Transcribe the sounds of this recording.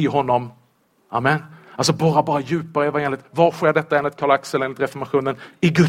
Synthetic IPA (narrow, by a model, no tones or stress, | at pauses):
ɪɦɔnːɔm | amːɛnals̬ɔbɑːɾabɑːɾajʉ̟ːpaɾəɛvaeːnlɪt̪vaɾɧeːɖɛt̪ːaɛnlɪt̪kʰalaksɛlɾɛnɪt̪ɾɛfɔɾmaɧuːnənɪɡɵ